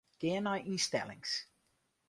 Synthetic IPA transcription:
ɡ̥ɛːnajʔĩnstɛ̰lˠɪ̰̃ŋs

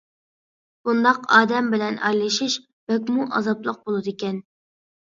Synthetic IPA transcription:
b̥und̪ɑqɑ̰ːd̪ɛmbɪlɛnʔɑ̰jlˠɨʃiʃ | b̥ɛk̬ʲmuʔɑ̰zɑplˠəq̚bolˠɨd̪ikʲɛn

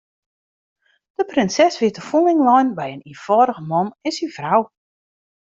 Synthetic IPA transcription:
d̥əprɪnsɛsʋɪətəfulˠɪŋlɔjnbɛjəniəfɔːɾəɣəmɔnɪnsinfraw

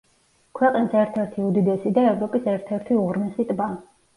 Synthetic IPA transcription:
kʰwɛqʼnisɛɾt̪ʰɛɾt̪ʰiud̪id̪ɛsid̪aɛvɾɔpʼisɛɾt̪ʰɛɾt̪ʰiuʁɾnɛsit̪ʼba

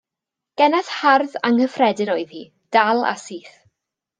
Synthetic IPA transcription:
ɡ̥ɛnaθharðaŋhəfrɛdɨnoːɨð̥hi | d̥alˠa̰siːθ

